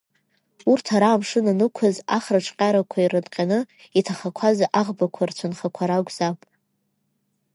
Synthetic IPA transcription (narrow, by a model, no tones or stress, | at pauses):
urtʰaɾaːmʂɨnanɨkʷʰazaχraʈ͡ʂʷʰʼqʲʼaɾakʷʰairɨdʼqʲʼanɨ | itʰaχakʷʰazaʔaʁbakʷʰart͡ɕʷʰanχakʷʰaɾaɡʷʼz̥apʼ